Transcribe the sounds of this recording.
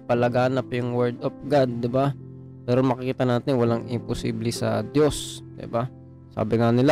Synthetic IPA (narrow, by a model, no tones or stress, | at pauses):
pɐlɐɡaːnɐpjʊŋwɛɹd̪of̚ɡad̪̚ːɪba | mɛːɾonmɐkɪkiːt̪ɐnaːt̪ɪnwɐlaŋɪ̰mpʊsḭːblɛsɐ̰d̪josd̪ɪ̰ba | sa̰ːbɪŋanɪla